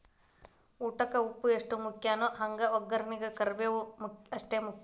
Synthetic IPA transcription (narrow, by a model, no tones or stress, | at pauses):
uːʈɐkɐupːueʂʈumukʰjaːnoɦɐŋɡɐɔɡːɐɾɐniɡɐkɐɾʋeʋumɐʂʈeːmuk